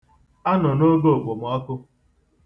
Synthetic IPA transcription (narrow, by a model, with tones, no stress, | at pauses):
a˦nɔ˨no˦ɡo˦o˨ɡ͡bʷo˨m˨ɔ˦kʊ˦